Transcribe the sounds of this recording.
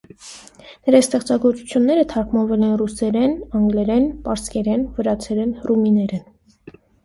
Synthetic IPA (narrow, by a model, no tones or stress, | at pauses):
nəɾɑst̪ɛχt͡sɑɡɔɾt͡su̥t͡sʰjunːɛɾət̪ʰɑɾkʰmɑnvɛlɛnrusɛɾɛnɑŋɡlɛɾɛnpɑɾskɛɾɛnvəɾɑt͡sʰɛɾɛnruminɛɾɛn